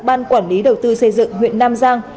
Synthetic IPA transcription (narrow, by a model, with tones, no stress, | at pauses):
ɓaː˧nkwaː˧˩nli˨˦ɗə˨˩wt̪ɨ˧sə˧jzɨ̰˧˨ŋɦwḭ˧˨ənːaː˧mzaː˧ŋ